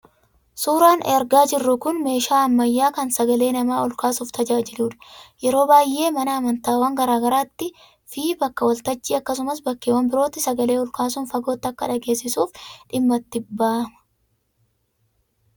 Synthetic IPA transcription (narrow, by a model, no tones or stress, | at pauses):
suːɾaːnɛɾɡaːd͡ʒɪrːʊkʊnme̞ːʃaːɐmːɐjːaːkɐnsɐɡɐle̞ːnɐmaːʊlkaːsuːft̪ɐd͡ʒaːd͡ʒɪluːᶑɐ̥jɛɾo̞ːbaːjʔːe̞ːmɐnɐːmɐnt̪aːwɐŋɡɐɾaːɡɐɾaːt̪ːɪ | fiːbɐkːɐwɐlt̪ɐt͡ʃːiːɐkːɐs̬ʊmɐsbɐkːeːwɐmbɪɾo̞ːt̪ːɪsɐɡɐle̞ːʊlkaːs̬ʊnfɐɡo̞ːt̪ːɐkːɐᶑɐɡe̞ːsːɪsuːfᶑɪmːɐt̪ːɪbaːʔmɐ̥